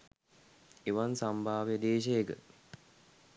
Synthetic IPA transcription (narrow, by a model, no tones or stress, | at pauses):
eʋansambʱaːʋjed̪eːʃ̬ejekə̰